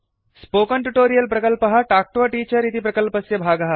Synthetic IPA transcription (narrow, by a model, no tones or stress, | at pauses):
spokəɳʈuʈoɾijəlpɾɐkəlpəɦaʈak̚ʈoaʈiːt͡ɕəɾit̪ʰipɾɐkəlpəsjebʱaɡɐɦa